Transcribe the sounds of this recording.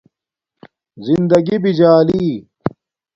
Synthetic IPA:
zind̪ɐɡibid͡ʑaːliː

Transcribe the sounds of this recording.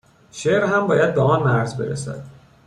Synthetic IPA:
ʃeʔɾɦæmbɒːjæd̪̚beɒːnmæɾzbe̞ɾæ̰sæ̰d̪̥

